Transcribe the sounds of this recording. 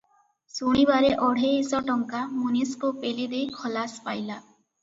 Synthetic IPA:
suɽ̃ibaɾeʔɔɽ̤ʱeisɔʈɔŋkamuniskupelid̪ejkʰɔlaspajla

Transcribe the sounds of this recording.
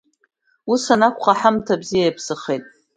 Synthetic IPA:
usanakʷʰʼχaħamtʰabzijajpʰsɨχejtʼ

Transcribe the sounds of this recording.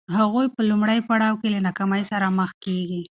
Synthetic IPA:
ɦaɣujpəlumɽəjpaɽɑwkelanakamajsaɾaməxkeɡi

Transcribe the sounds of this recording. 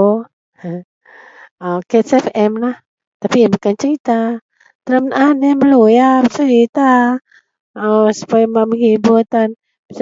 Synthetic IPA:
akɛt̪sɛfɛmlah | t̪apiabukant͡ʃəɾit̪a | t̪əɾəmnʔandaaməlujat͡ʃəɾit̪a | əsu̥pajmaməŋibut̪an

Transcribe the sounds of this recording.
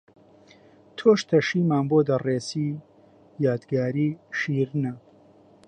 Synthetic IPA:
t̪ʰoːʃt̪ʰɐʃiːmaːnboːd̪ɐreːsiː | jaːd̪ɡaːɾiːʃiːɾnɐ

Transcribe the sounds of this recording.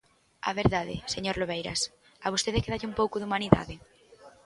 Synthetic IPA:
a̰βeɾðaðɪ̰seɲoɾloβejɾa̰s | aβost̪eðekeðaʎɪumpowkʊðumaniða̰ðɪ

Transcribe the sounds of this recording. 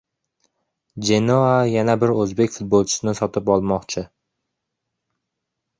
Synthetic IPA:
d͡ʒenoajanabɪɾɵzbekʲfʊt̪̚bolˠt͡ʃʰɪ̥sɪnɪsɒt̪ɪpɒlˠmɒqt͡ʃʰɪ

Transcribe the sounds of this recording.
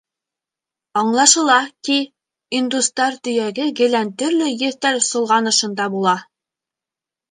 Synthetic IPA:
ɑɴlˠɑʃɤ̆lˠɑki | ind̪ust̪ɑɾt̪ɵ̆jæɡɘɡɘ̆lænt̪ɵ̆ɾlɵjɘ̆ɾt̪æɾsŏlˠʁɑnɤ̆ʃɤ̆nd̪ɑbulˠɑ

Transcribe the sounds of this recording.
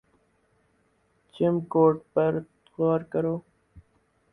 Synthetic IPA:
t͡ʃɪmkoːʈpəɾ | ɣɔːɾkəɾoː

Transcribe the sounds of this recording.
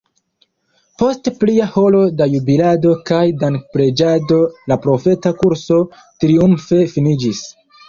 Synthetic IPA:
po̞stpliaho̞lo̞dajubilado̞kajdaŋk̚pɾe̞d͡ʒado̞lapɾo̞fe̞takuɾso̞ | tɾiumfe̞finid͡ʒis

